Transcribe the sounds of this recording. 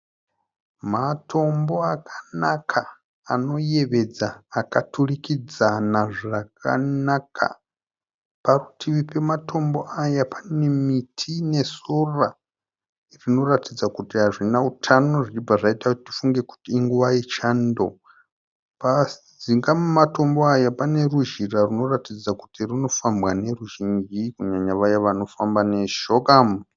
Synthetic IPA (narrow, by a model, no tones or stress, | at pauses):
matʰo̞mbo̞akʰanakʰa | ano̞jeβe̞d͡zaːkatʰurikid͡zanaʐakʰa̰nakʰa̰ | parutʰiβipe̞matʰo̞mbo̞ʔajapʰane̞mitʰine̞sora | rino̞ratid͡zakutiɦaʐinautʰano̞ʐit͡ʃibaʐaitautifuŋɡe̞ku̥tiːŋɡuʋait͡ʃaːndo̰ | pa | ziŋɡamumato̞mbo̞ajapane̞ruʒiraruno̞ratid͡zaku̥tirino̞fambwane̞ruʒind͡ʒikuɲaɲaʋajaʋano̞fambane̞ʃoɡam